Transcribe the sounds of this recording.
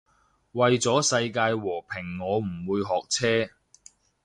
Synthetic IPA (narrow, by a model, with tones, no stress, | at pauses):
wɐ˨jt͡sɔː˨˥sɐ˧jkaː˧jwɔː˨˩pʰɪ˨˩ŋːɔː˨˧m̩˨˩wuː˨˧jɦɔː˨k̚t͡sʰɛː˥